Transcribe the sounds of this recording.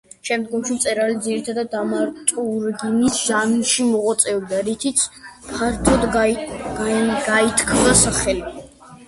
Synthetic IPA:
ʃɛmd̪ɡɔmʃimt̪sʼɛɾalid̪ziɾit̪ʰad̪ad̪ːamaɾt̪ʼuɾɡinisʒanuʃimɔʁɔt̪sʼɛɔbd̪aɾit̪ʰit̪sʰpʰaɾt̪ʰɔd̪ | ɡait̪ʰkʰvasaχɛli

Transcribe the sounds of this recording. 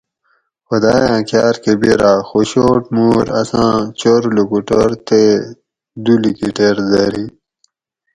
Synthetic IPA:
xɐd̪aːjãːkjaːɾkebeɾaːxoɕoʈmuɾɐsãːt͡ɕoɾulukuʈoɾt̪e | d̪ulikiʈeɾd̪aɾi

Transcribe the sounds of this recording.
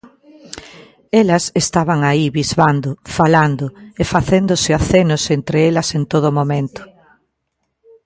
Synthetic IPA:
elɐsest̪aβaŋaiβizβand̪ʊfaland̪ʊefaθend̪ʊsɪaθenʊsent̪ɾeelɐsent̪oð̞ʊmomẽnt̪ʊ̥

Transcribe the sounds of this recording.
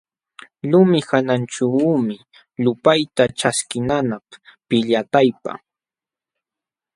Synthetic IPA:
ʎʊmɪhanant͡ʃamɪ | ʎʊpajt̪aʈ͡ʂaskɪnanappɪʎat̪ajpa̰

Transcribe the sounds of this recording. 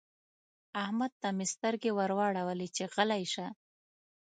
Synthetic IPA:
ahmad̪̚t̪amɪst̪aɾɡewaɾwɑɽawəlit͡ʃeɣalajʃa

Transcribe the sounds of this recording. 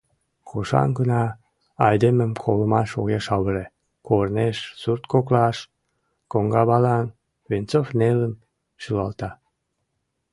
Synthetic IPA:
koʃɑ̰nɡənɑː | jd̪eməmkʰoləmɑʃoɣeʃɑβəɾe | korneʃsurt̪koklɑʃ | koŋɡɑβɑlɑn | βent͡sofnelən | ʃylɑlt̪ɑ

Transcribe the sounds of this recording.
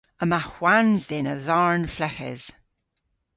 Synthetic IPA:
əmaxwanzðɪnəðaɹnflɛkɛ̰z̥

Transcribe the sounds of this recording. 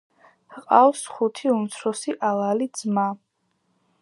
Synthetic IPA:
qʼawsχut̪ʰiumt̪sʰɾɔsiʔalˠalid̪zma

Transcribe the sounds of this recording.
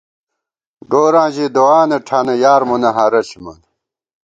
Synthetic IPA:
ɡoːɾãːʑid̪owaːnɐʈʰanɐjaːɾmunɐɦɐɾɐɕmɐ̰n

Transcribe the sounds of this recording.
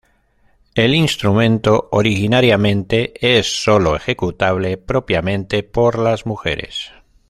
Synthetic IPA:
elinst̪ɾumẽnt̪ooɾixinaɾjamẽnt̪eesːoloexekut̪aβ̞lepɾopjamẽnt̪epoɾlazmuxḛɾḛs

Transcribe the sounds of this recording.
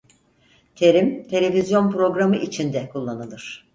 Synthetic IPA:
t̪ʰe̞ɾimt̪ʰe̞lʲe̞vizjo̞npɾo̞ɡɾamɯʔit͡ʃʰind̪ɛkʰulˠːanɯlˠɯɾ̥

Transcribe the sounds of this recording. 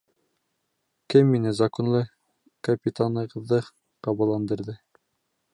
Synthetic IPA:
kɘmːinɘzɐkŏnlˠɤ | kɐpʲit̪ʰanɤ̆ʁɤ̆ðːɤ | qɑβɑlˠːɑnd̪ɤ̆ɾðɤ

